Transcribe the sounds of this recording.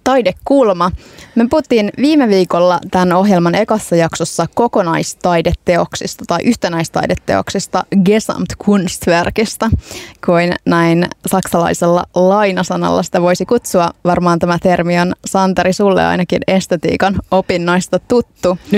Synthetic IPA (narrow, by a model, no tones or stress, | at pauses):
t̪ɑjdekːulmɑmepuhut̪ːinʋiːmeʋiːkolːɑt̪æno̞ɦjelmɑne̞koθːɑjɑksosːɑko̞ko̞nɑist̪ɑjdet̪ːe̞oksist̪ɑt̪ɑiʔyht̪enæist̪ɑ̰idet̪ːe̞̰o̰ksist̪ɑɡesɑ̰mt̪kʰunst̪ʋerkist̪ɑkuinnæinsɑksɑlɑ̰iselːɑ̰lɑjnɑsɑnɑ̰lːɑ̰si̥t̪æʋo̞isikut̪suɑʋɑrmɑːnt̪æmæt̪ermionsɑnt̪ɑɾisulːḛɑ̰inɑkine̞st̪et̪ḭːkɑno̞pinːɑist̪ɑt̪ut̪ːu